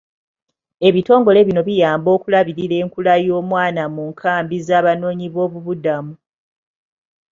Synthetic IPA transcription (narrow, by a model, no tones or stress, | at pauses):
e̞βito̞ːŋɡo̞le̞βino̞βijaːmbo̞ːkulaβiɾile̞ːŋkulajo̞ːmwaːnamuŋkʰaːmbizaːβano̞ːɲiβo̞ːβuβudamu